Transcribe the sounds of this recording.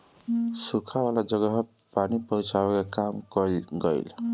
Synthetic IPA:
sukʰawalad͡zʌɡʌɦ | panipʌut͡sawekakamkʌlɡʌjl

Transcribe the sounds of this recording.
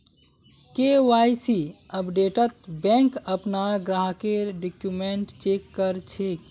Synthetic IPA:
kewajsi | əpɖeʈət̪bɛ̃ŋkəpnaɡɾaɦkeɖikjumeɳʈt͡ʃekːəɾt͡ʃʰe

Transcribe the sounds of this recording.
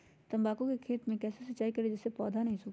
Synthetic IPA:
t̪ɐ̃mbaːkõkekʰeːt̪mẽkɛːsesɐtːʃaːikɐɾed͡ʒɪsːepɔːd̪ʱanɐɦĩsʊːk

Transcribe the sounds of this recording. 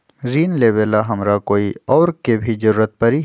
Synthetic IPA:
ziːnleːbelaɦɐmɾakoːiɔːɾkebʱid͡ʒɐɾuːɾət̪̚pɐɾi

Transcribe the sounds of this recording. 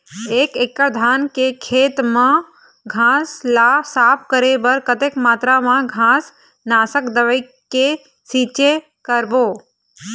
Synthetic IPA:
eːkekːəɾd̪ʱaːnkekʰeːt̪mã | ɡʱãslaːsaːp̚ʰkəɾebəɾkət̪ekmaːt̪ɾamãɡʱãːs | naːsəkd̪əʋəi | ke | siːt͡ʃe | kəɾboː

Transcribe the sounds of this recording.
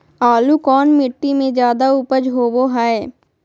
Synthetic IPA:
aːlukɔːnmɪʈːimẽd͡ʒjaːd̪aupəd͡ʒɦoːboɦaeː

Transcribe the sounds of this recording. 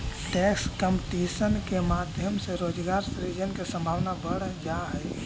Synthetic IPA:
ʈɛːkskə̃mpʈiːsənkemaːd̪ʱjəmseɾoːd͡ʒɡaːɾsɾid͡ʒənkesə̃mbʱaːʋnabəɽd͡ʒaɦɛɪ

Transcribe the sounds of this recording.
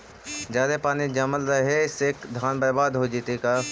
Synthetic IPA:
d͡ʒjaːd̪epaːnid͡ʒɐməlɾəɦeɪseːkd̪ʱaːnbəɾbaːd̪ɦod͡ʒit̪ekaː

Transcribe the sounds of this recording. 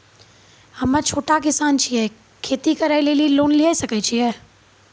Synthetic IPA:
hɐmə̃t͡ʃʰoːʈakɪsaːnt͡ʃʰiɛː | kʰeːt̪ikəɾaːɪleliloːnliɦasɐkɛt͡ʃʰiɛː

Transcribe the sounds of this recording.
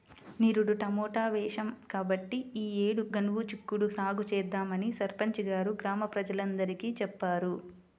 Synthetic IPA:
niɾuɽuʈɐmɔːʈaːʋɛːʂɐmkaːbɐʈːiiːeːɽuɡɐɳʋut͡ʃikːuɽusaːɡut͡ʃɛːd̪ːaːmɐnisɐɾpɐɲt͡ʃiɡaːɾuɡɾaːmɐpɾɐd͡ʒɐlɐnd̪ɐɾikit͡ʃɛpːaːɾu

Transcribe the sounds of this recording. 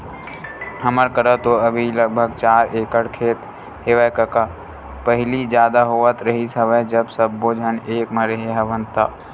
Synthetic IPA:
həməɾkəɾət̪oəbʱiləɡ̚bʱəɡ̚t͡ʃaːɾeːkəɽkʰeːt̪ | ɦeːʋəkəka | pəɦɪlid͡ʒjaːd̪aɦoːət̪ɾəɦisəʋɛd͡ʒəbsəbːoːd͡ʒʱəneːkməɾeɦeɦəʋə̃nt̪aː

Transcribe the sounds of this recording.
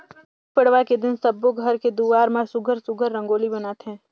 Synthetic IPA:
k̚pɐɽʋaked̪ɪnsɐboɡʱɐɾked̪uːʋaːɾmasʊɡʱəɾsʊɡʱəɾːɐ̃ŋɡoːlibɐnaːt̪ɦɛ̃ː

